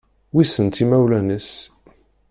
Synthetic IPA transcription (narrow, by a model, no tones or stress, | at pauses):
wisənt̪imæwlænəs